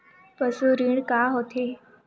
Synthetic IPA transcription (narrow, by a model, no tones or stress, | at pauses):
pəsuɾiɳkaɦot̪ʰe